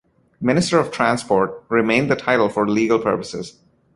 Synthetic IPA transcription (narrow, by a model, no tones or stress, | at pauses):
mɪnɪsʈəɾɔʋʈʰɾæ̃nspɔːɹʈ̚ɾɪmẽɪ̃nd̪əʈʰaɪɾl̩ˠfɔɹliːɡəlpʰə̰ɹpəsɪ̰z̥